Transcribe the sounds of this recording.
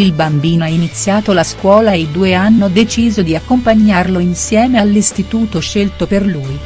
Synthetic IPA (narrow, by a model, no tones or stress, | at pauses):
ilbambiːnoainit̪sːjaːt̪olaskwɔːlaed̪uːeanːod̪et͡ʃiːzod̪iakːompaɲːarloinsjɛːmealːist̪it̪uːt̪oʃelt̪operluːj